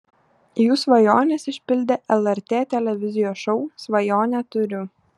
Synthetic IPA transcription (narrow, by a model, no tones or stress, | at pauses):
juːsʋɐjoːnʲesɪʃʲpʲɪlʲd̪ʲeʔɛlˠɛɾʲt̪ʲeːt̪ʲɛlʲɛʋʲɪzʲɪjoːsʃɔʊsʋɐjoːnʲɛt̪ʊɾʲʊ